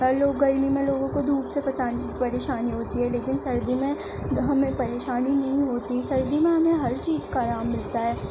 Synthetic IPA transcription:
ɦɐɾloːɡːɐɾmimẽloːɡõkod̪ʱuːbsepɐsaːn | pɐɾeːʃaːniɦoːt̪iɦɛleːkɪnsɐɾd̪imẽ | ɦɐmẽpɐɾeːʃaːninɐɦĩɦoːt̪isɐɾd̪imẽɦɐmẽɦɐɾt͡ʃiːzkaɾaːmːɪlt̪aɦɛː

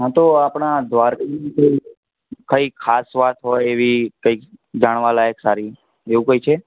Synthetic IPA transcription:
ɦãt̪oapɳ̃ad̪ʱʋaɾkiikəi | kəikʰasʋat̪ɦojeʋikəikd͡ʒaɽ̃ʋalajeksaɾi | eʋũkəit͡ʃʰe

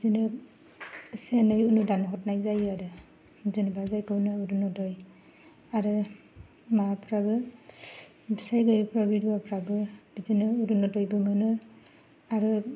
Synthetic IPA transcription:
bidinɯ | senɯjunudanɦɔt̚najzajɯaɾɯ | bizɯnɯbazajkɯwnɯuɾunɔdɔj | aɾɯ | mapʰɾabɯ | bisajɡɯjpʰɾabiɾiwapʰɾabɯb̥idinɯuɾunɔdɔjbɯmɯnɯ | aɾɯ

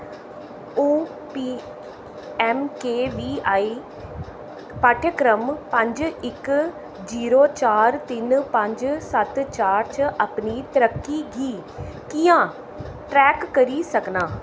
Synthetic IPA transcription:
uː | piː | ɛːmkeːʋiːaːiː | paːʈʰəkɾəmpə̃ɲd͡ʒɪk | d͡ʒiːɾoːt͡ʃaːɾt̪ɪnpə̃ɲd͡ʒsət̪t͡ʃaːɾt͡ʃʔəpniːt̪əɾəkːiːɡiːkijãː | ʈɾɛːkːəɾiːsəknaː

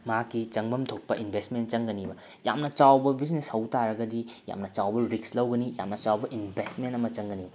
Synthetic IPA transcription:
maakːit͡ʃɐŋbɐmtʰok̚pɐʔinbʱestment͡ʃɐŋɡɐnibɐ | ja̰mnɐt͡ʃawbɐbisneshɐwtaɾɐɡɐdija̰mnɐt͡ʃawbɐɾikslɐwɡɐnija̰mnɐt͡ʃawbɐʔinbʱestmentɐmɐt͡ʃɐŋɡɐnibɐ

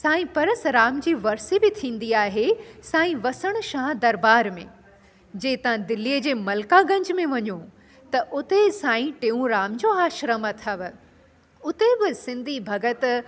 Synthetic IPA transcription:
sãːĩpɐɾəsɾaːmd͡ʑiːʋɐɾsibɪt̪ʰĩːnd̪iaːɦesãːĩʋɐsəɽ̃ʊ̆ʃãːd̪ɐɾbaːɾmḛ̃ | d͡ʑeːt̪ɐãd̪ɪliəd͡ʑeːmɐlkaɡɐ̃ɲd͡ʑmẽʋɐɲo | t̪ɐʔʊt̪esãːĩʈẽːũɾaːmd͡ʑoːaːʃɾəmət̪ʰɐʋ̆ | ʊt̪ebɪsɪ̃nd̪ʱibʱɐɡət̪

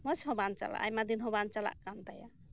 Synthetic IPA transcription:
mɔt͡ʃʰɦɔbant͡ʃa̰la̰ʔa̰jmad̪inɦɔbant͡ʃala̰ʔkamt̪aja

